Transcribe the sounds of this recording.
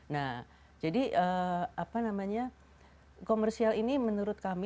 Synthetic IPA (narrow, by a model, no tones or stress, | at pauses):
nah | d͡ʒadiʔəapanamaɲa | komərsialinimənuɾʊt̪̚kam